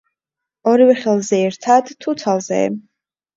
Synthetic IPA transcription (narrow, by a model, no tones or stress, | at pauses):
ɔɾivɛχɛlˠzɛːɾt̪ʰad̪t̪ʰːut̪sʰalˠzɛ̰